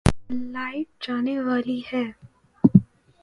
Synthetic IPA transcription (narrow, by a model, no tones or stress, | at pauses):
laːɪfd͡ʒaːneʋaːlihɛː